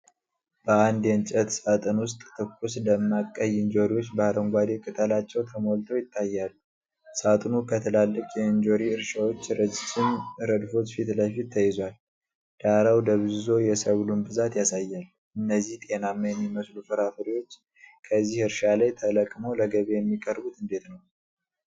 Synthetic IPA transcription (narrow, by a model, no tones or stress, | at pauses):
b̥əand̪jɛnt͡ʃʼət̪sat̪ʼɨnwʊst̪ʼt̪ʰɨkʰʼːusləmːakʼːəjɪnd͡ʒo̞ɾiwot͡ʃːbəɾəŋɡʷad̪ekʼɨt̪ʰəlat͡ʃːɛwt̪ʰəmo̞lt̪ʰojɪt̪ʼːajːalːu | sat̪ʼnukʰət̪ʰəlalːəkʼjɛnd͡ʒo̞ɾiɨɾʃawo̞t͡ʃːɾəd͡ʒt͡ʃːɪnɾəd̪fo̞t͡ʃfit̪ləfit̪ʰːəjɪzwal | d̪̥aɾawd̪əβzɨzo̞jɛsəβlunbɨzat̪jasajːal | ʔɨnːəzːiht̪ʼe̞namːəjɛmːiməslufɨɾafɨɾiwo̞t͡ʃː | kʰəzːihɨɾʃalajt̪ʰələkʼmo̞ləɡəβe̞jɛmːikʼəɾbut̪ɨnd̪e̞t̪nəw